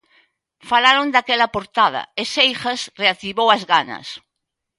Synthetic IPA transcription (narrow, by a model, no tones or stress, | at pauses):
falaɾond̪akelapoɾt̪að̞ɐ̰esejxasreak̚t̪iβowazɣanɐ̰s